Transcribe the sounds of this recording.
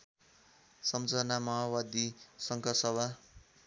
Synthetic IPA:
sʌmt͡sʌnamʌɦawad̪isʌŋkʰʌsʌbʱa

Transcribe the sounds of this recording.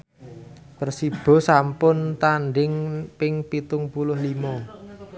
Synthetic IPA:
pərsib̥ɔ̤sampʊnt̪anɖɪŋpɪŋpit̪ʊŋpulʊhlimɔ

